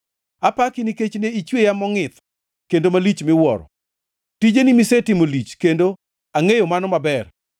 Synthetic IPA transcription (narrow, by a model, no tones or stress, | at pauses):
apakɪniket͡ʃneit͡ʃwejamɔŋɪt̪ | kendomalit͡ʃmɪwɔɾɔ̰ | tid͡ʒenɪmisetɪmolit͡ʃkendo | aŋejomanɔmabɛr